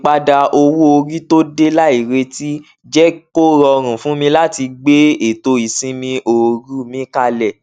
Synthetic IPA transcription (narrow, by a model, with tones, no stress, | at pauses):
k͡pa˧da˧ʔo˧wu˦o˧ɾi˦to˦de˦la˦i˨ɾe˧ti˦ | d͡ʒɛ˦ko˦ɾɔ˧ɾ̃ũ˨fũ˦mĩ˧la˦ti˧ɡ͡be˦e˦˨to˧i˨sĩ˧mĩ˧ʔo˨ɾu˦mĩ˨˦ka˧lɛ˨